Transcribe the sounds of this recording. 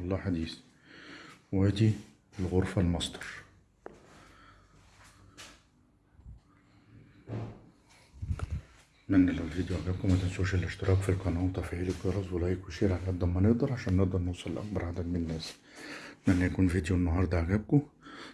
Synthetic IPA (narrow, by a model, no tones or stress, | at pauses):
wɑlˤːɑːħad̪iːs | wæd̪i | lɣoɾfælmɑsˤd̪ɑɾˤ | mænːælæwelvid̪joʕaɡæb̚kʊmæt̪ænsohuʃællʔɪʃt̪ɪɾʔɑːkfilkɑnɑːt̪ˤɑfiʕiːlɪɡɡɑɾˤɑzˤwelæːʔikweʃeːɾʕalʔæd̪æmːænɪʔd̪ɑɾˤʕaʃæːnːeʔd̪ɑɾˤnewsˤɑlelʔɑ̰k̚bɑɾˤʕad̪æd̪mɪnnːæːs | mænːæjækuːnvid̪jonːɑɦɑːɾˤd̪ˤɑʕaɡæb̚kʊ